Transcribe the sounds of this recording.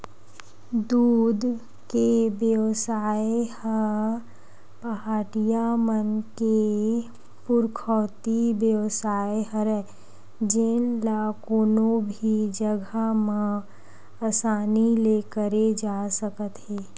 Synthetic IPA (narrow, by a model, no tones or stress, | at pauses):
d̪uːd̪ | kebjəwsaːjehə | pəɦaːʈijamənke | pʊɾkʰɔːt̪ibjəʋsaːjɦəɾɛ | d͡ʒɪnlaːkoːnõbʱid͡ʒəɡʱamã | asaːnileːkəɾed͡ʒaːsəkət̪ɦɛː